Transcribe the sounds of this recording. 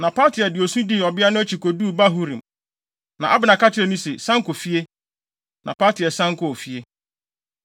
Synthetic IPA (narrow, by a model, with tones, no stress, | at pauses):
nã˨pʰaː˦tʰɪ˨ɛ˨dɪ˨o˨sũ˦di˦ɔ˨bɪ˦a˦nʊ̃˦æ˦t͡ɕʰi˨ko˨duː˦˨ba˦ɦu˦ɾĩ˨m | nã˨ʔa˦bɪ˨nã˨ka˦t͡ɕʰɪ˦ɾɛ˨nʊ̃˦sɛ˨sã˦ŋkʊ˨fi˦e˦ | nʔã˨paː˦tʰɪ˨ɛ˨sã˦ŋ˦kʰʊ˨o˨fi˦e˦